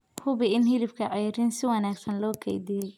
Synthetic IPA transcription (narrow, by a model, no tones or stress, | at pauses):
hʊβɪɪnɦɪlɪfkʰɐʕɑjɪɾɪnsɪwɑnaːɡsɐnlɔːkʰɛ̰jd̪ijɛj